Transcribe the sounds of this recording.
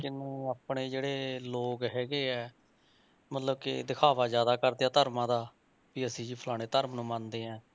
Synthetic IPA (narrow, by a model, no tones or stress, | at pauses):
kɪnẽːaːpɳeːd͡ʒeːɽeːloːkɦɛːɡeːɛː | mət̪ləbkɪ̰d̪ɪkʰaːʋaːzjaːd̪aːkəɾd̪eːaːt̪əɾmãːd̪aː | piːəsĩːd͡ʒiːpʰəlaːɽ̃eːt̪əɾmnũːmãnd̪eːɦɛ̃ː